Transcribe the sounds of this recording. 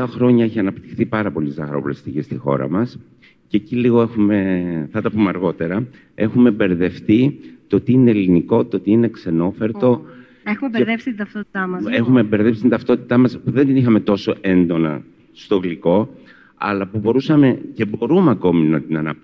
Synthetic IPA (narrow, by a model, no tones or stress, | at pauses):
ɐxɾo̞ɲɐeçiɐnɐpt̪i̥xθipɐɾɐpo̞lit̪izɐɣɐɾo̰polest̪iʝest̪ixo̞̰ɾɐ̰mɐs | ce̞ciliɣo̞e̞xume̞θɐt̪ɐpumeɐɾɣo̞t̪e̞ɾɐ | e̞xume̞be̞ɾðe̞fθit̪ot̪iine̞liniko̞t̪ot̪iine̞kse̞no̞fe̞ɾt̪o̞ | exumebeðepsi̥t̪int̪ɐft̪ot̪i̥t̪ɐmɐexume̞be̞ɾðe̞psi̥t̪int̪ɐft̪o̞t̪i̥t̪ɐmɐspuðe̞nd̪inixɐme̞t̪o̞so̞ʔe̞nd̪o̞nɐ̰ | st̪o̞ɣliko̞ | ɐ̰lɐpubo̞ɾusɐme̞ce̞bo̞ɾumɐko̞minɐt̪inɐnɐ